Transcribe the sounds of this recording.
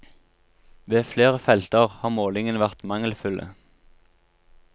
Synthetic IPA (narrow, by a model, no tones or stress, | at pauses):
ʋeːfleːʁəfɛlt̪əʁhɑːʁmoːlɪŋənəʋæʁt̪mɑŋəlfʉlʔə̰